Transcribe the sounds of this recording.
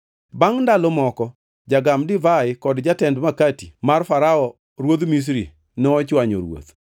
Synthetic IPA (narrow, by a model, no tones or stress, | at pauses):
baŋndalomɔkɔ | d͡ʒaɡamdɪvaɪkɔdd͡ʒatɛndmakatimarfaɾaɔ | ɾwod̪mis̬ɾḭ | nɔːt͡ʃwaɲo̰ɾwo̰t̪